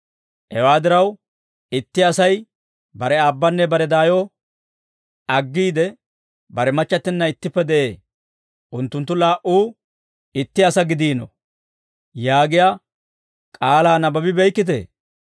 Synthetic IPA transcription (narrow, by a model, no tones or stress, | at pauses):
hɛwaːd̪ɪɾɐw | ɪt̪ːɪɐsɐj | bɐɾɛaːbːɐnːɛbɐɾɛd̪aːjo | ɐɡːiːd̪ɛ | bɐɾɛmɐt͡ʃːɐt̪ːɪnːɐɪt̪ːɪpːɛd̪ɛʔeː | ʔʊnt̪ːʊnt̪ːʊlaːʔuː | ɪt̪ːɪɐsɐɡɪd̪iːnɔ̰ | jaːɡɪja | kʼaːlaːnɐbɐbɪbɛjkːɪt̪̬ḛː